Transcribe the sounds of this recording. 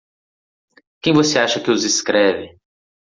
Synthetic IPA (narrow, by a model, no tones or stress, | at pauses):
kẽj̃voseaʃɐkɪʊzɪskɾɛvɪ